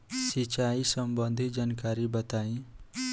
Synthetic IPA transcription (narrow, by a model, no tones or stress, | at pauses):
sit͡ʃaisʌmbənd̪ʱid͡ʒankaɾibʌt̪aĩ